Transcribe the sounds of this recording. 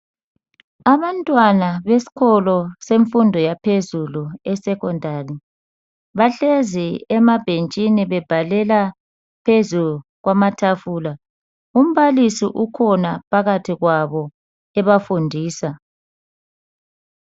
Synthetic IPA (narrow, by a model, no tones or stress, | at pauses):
aβantʼwanaβesi̥ɣʰɔlɔseɱfundʱɔjapʰezuluɛsɛkɔndʱari | βaɬeziɛmab̥ʱent͡ʃʼiniβɛb̥ʱalɛla | pʰezuluɣwamatʰafuːla | um̩βalisiʔukʰɔnapʰaɣatʰiɣwaβɔ | ɛβafundʱiːsa